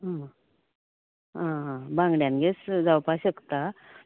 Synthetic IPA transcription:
ɦã | ɦãɦãbãŋɡɽjãnɡet͡sd͡zawpaɕəkt̪a

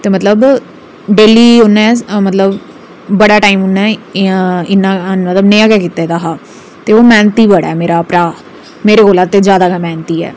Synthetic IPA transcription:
t̪eːmət̪ləb | ɖeːliːʊnːãːmət̪ləb | bəɽaːʈaːiːmʊnːɛ̃ː | ɪnːãːmət̪ləbnejãːkɛːkiːt̪eːd̪aːɦaː | t̪eːoːmɛ̃ːnt̪iːbəɽɛːmeːɾaːpɾaː | meːɾeːkoːlãːt̪eːzjaːd̪aːkɛːmɛːnt̪iːɛ̰ː

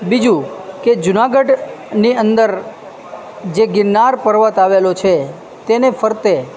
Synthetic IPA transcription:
bid͡ʒũked͡ʒʊnaɡəɖniənd̪əɾ | d͡ʒeɡɪnːaɾpəɾʋət̪aʋelot͡ʃʰe | t̪enefəɾt̪e

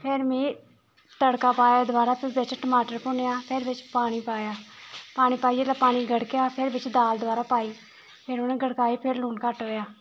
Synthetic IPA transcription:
pʰɪɾmẽː | t̪əɽkaːpaːjaːd̪ʋaːɾaːpʰɪɾbɪt͡ʃʈəmaːʈəɾpʊnejaːpʰɪɾʋɪt͡ʃpaːɽ̃iːpaːjaːpaːɽ̃iːpaːiːd͡ʒeːlaːpaːɽ̃iːɡʱəɽkejaːpʰɪɾbɪt͡ʃd̪aːld̪ʊʋaːɾaːpaːiː | pʰɪɾʊnẽːɡʱəɽkaːiːpʰɪɾluːnkəʈɦoːjaː

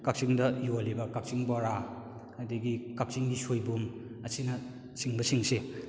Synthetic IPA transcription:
kak̚siŋdɐjolibɐkak̚t͡ʃiŋbɔɾa | ɐdiɡikak̚siŋɡisojbum | ɐsinɐ | siŋbɐsiŋse

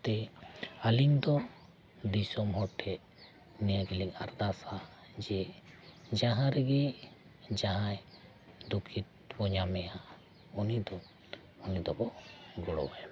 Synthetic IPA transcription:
t̪ɛaliŋd̪ɔ | d̪isɔmɦɔʈʰɛʔ | nɛjaɡiliŋaɾd̪asa | d͡ʒɛ | d͡ʒaɦãɾɛɡɛ | d͡ʒaɦãj | d̪ukʰit̪̚ | bɔɲamɛja | ɔnid̪ɔ | ɔnid̪ɔbɔɡɔɽɔ̰wa̰

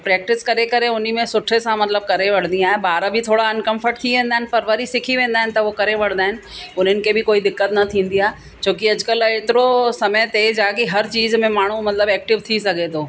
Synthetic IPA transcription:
pɾɛːk̚ʈɪskɐɾekɐɾeʊnimẽsʊʈʰesãmɐt̪ləb̚kɐɾeʋɐɽ̤nd̪iaːɦebaːɾbʱɪt̪ʰoːɽaɪnkɐ̃mfʰəɾʈ̚t̪ʰiʋẽːnd̪aɦɪnɪpɐɾʋɐɾisɪkʰiʋẽːn̆d̪aːɦɪnɪt̪ɐʋokɐɾeʋɐɽ̤̃nd̪aːɦɪnɪ̆ʊn̤ənɪ̆kʰebʱɪkoːid̪ɪkːət̪nɐt̪ʰĩːn̆d̪iaːɦe | t͡ɕoːkɪɐd͡ʑkəleːt̪ɪɾosɐməjt̪eːd͡ʒaːkeɦɐɾt͡ɕiːzmẽmaːɳ̤umɐt̪ləbɛːk̚ʈɪʋt̪ʰisɐɡʱet̪ʰoː

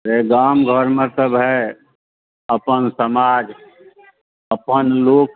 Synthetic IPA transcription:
ɾeɡaːmɡʱəɾmə̃t̪əbɦɛ | əpənsəmaːd͡ʒ | əpənloːk

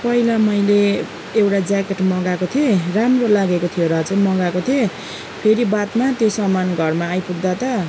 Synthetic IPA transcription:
pʌilamʌjleː | wʈad͡zakeʈmʌɡakot̪ʰioramrolaɡekot̪ʰijoɾʌt͡sʌj̃mʌɡakot̪ʰijo | pʰeɾibat̪mat̪josʌmːanɡʱʌrmaːjpuɡd̪at̪ʌ

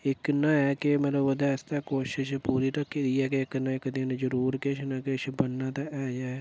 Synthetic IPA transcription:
ɪknaɛːkemɐt̪ləbɐd̪ast̪akoːʃɪʃpuːɾiɾɐkːed̪iɛkeɪknaekd̪ɪnd͡ʒəɾuːɾkeʃʰnakeʃbɐnːat̪aʔɛːd͡ʒaːe

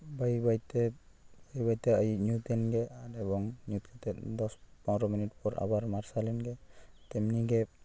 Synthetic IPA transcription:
bajbajt̪ɛ | bajbajt̪ɛajuɲut̪ɛnɡɛaɾɛbɔŋɲut̪̚kʰɛt̪ɛd̪ɔspãwɾɔminitpɔɾʔa̰baɾmaɾsalɛnɡɛt̪ɛmniɡɛ

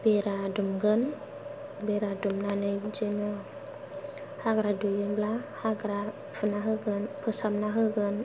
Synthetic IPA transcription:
b̥eɾadumɡɯn | beɾadumnanɯd͡ʒenɯ | haɡɾadujɯblahaɡɾa | fɯnaɦɯɡɯnpʰɯsamnaɦɯɡɯn

